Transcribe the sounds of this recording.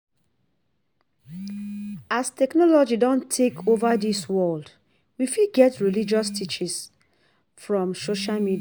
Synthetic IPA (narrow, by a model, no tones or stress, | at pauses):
astɛknɔlɔd͡ʒidɔ̃ntʰekʰovaðiswɜld | wifiɡɛtɹilid͡ʒɔstʰit͡ʃis | fɹɔ̃msoʃalmidia